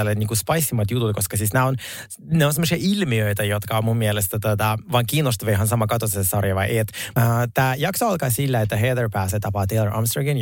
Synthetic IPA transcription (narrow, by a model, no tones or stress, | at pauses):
lːenʲiːŋkuspɑjsːimɑt̪jut̪ut̪̚koskɑsisnæon | neonsemːosiɑʔilmiøjt̪æjot̪kɑommumːielest̪æt̪ot̪ɑʋɑŋkiːnost̪uʋeɦɑnsɑmɑkɑt̪osessɑrjɑʋɑjʔeet̪t̪æːjɑksoɑlkɑːsilːæet̪ːæɦed̪erpæːset̪ɑpɑːt̪elːəɹʔɑ̰mst̪rɑɡen